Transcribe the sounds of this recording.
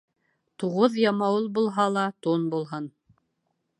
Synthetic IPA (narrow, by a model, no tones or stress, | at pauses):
t̪uʁoðjɑmɑwulˠbulˠɦɑlˠɑt̪unbulˠɦɤn